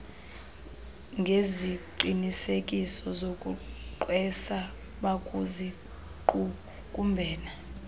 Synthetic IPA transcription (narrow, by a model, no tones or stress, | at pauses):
ŋɡʱeziǃinisekʼisɔzokʼuǃwɛsa | ɓakʼuzi | kʼu | kʼumbʱɛːna